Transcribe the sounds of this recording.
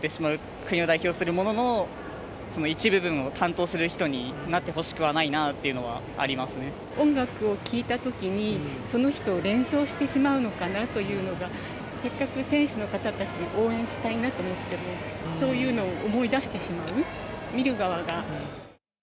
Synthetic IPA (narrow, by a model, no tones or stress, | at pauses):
t̪ːe̞ɕimaɯ̟ | kɯ̟ɲ̟io̞d̪aiço̞ːsɨɾɯ̟mo̞no̞no̞ | so̞no̞it͡ɕibɯ̟bɯ̟̃ɰ̃o̞t̪ʰãnt̪o̞ːsɨɾɯ̟çi̥t̪o̞ɲ̟inat̪ːe̞ɦo̞ɕi̥kɯ̟βanainat̪ːe̞iɯ̟no̞βa̰ | a̰ɾʲimasɨne̞ | õ̞ŋɡakɯ̟o̞kʲiːt̪at̪o̞kʲiɲ̟iso̞no̞çi̥t̪o̞ːɾẽ̞ɰ̃so̞ːɕi̥t̪e̞ɕimaɯ̟no̞kanat̪o̞jɯ̟ːno̞ɡa | se̞kːakɯ̟sẽ̞ɰ̃ɕɨno̞kat̪at̪at͡ɕiʔo̞ːẽɰ̃ɕi̥t̪ainat̪o̞ːmo̞t̪ːe̞mo̞so̞ːjɯ̟ːno̞ːʔːmo̞id̪aɕi̥t̪e̞ɕimaɯ̟mʲiɾɯ̟ɡaβaɡa